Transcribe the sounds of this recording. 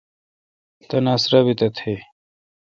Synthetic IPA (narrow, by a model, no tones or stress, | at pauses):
t̪ɐnasɾabit̪ɐt̪ʰe